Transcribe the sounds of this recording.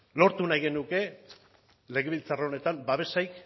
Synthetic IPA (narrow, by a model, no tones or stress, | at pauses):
lo̞ɾt̪unajɣe̞nuke̞ | le̞ɣeβilt͡saraone̞t̪ambaβ̞e̞sajk